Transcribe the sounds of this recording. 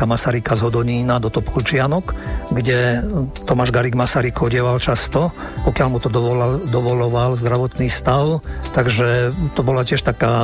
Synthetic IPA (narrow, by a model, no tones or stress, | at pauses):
amasaɾikazɦɔd̪ɔɲiːnad̪ɔt̪ɔpʰɔlt͡ʃɪanɔkɡɟɛt̪ɔmaʒɡaɾiɡmasaɾikʰɔɟɪɛʋalt͡ʃast̪ɔ | pɔkɪalmut̪ɔd̪ɔɔd̪ɔʋɔlɔʋalzd̪ɾaʋɔt̪niːst̪aʊt̪aɡʒɛt̪ɔbɔlacɪɛʃt̪akaː